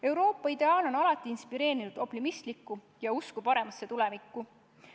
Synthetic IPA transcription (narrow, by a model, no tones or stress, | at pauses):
e̞wɾo̞ːpːˑɑid̪̥e̞ɑːlo̞nɑlɑt̪ːˑiinspiɾe̞ːɾinud̪̥o̞pt̪imist̪likːˑu | jɑuskupɑɾe̞mɑsːe̞t̪ulɛ̞vikˑːu